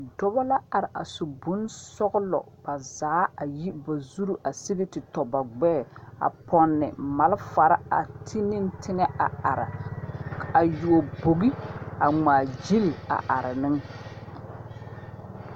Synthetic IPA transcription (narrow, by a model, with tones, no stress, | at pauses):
dɔ˦bɔ˦la˦a˨ɾɪ˨ʔa̰˨su˨bu˨˦nsɔ˦ɣʊ˦lɔ̰˨ | b̥a˨zaː˨˦a˨ji˦ba˨zu˦ɾu˦ʔa˨sɪ˦ɡi˦tɪ˨tɔ˨ba˨ɡ͡bɛː˦˨a̰˨pɔ˨nːɪ̰˨ma˨lfa˨ɾa˦a̰˨tʰi˦nɪ˦ntʰɪ˦ŋɛ˦a˨a˨ɾɪ̰˨ | a˨ju˨o˨bo˨ɡi˦a˨ŋ͡maː˨d͡ʒi˦li˨a̰˨ʔa˨ɾɪ˨nɪ˦ŋ